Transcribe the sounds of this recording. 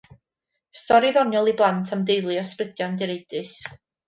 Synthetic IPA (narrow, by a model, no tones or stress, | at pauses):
stɔɾiðɔnjɔlˠiblˠantʰamdejlˠiɔsprɪd̥jɔndɪɾejd̥ɨs